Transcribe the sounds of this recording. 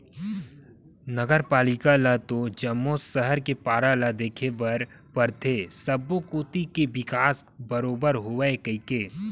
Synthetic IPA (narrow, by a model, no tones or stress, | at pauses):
nɐɡəɾpaːlɪkalat̪od͡ʒɐmːosəɦəɾkepaːɾalad̪eːkʰebɐɾ | pɐɾt̪ʰeːsɐbːokoːt̪ikeʋɪkaːs | bɐɾoːbəɾɦoəekɐikeː